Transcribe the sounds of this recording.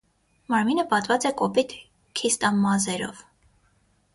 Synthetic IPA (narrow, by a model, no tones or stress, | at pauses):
mɑɾminəpɑt̪vɑt͡sɛkɔpit̪ʰ | kʰist̪ɑmːɑzɛɾɔ̰v